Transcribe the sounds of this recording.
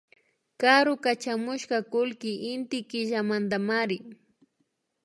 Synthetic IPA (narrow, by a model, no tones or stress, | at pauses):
kaɾʊkat͡ʃamʊʃkakʊlkɪʔɪnt̪ɪkɪʒamand̪amaɾɪ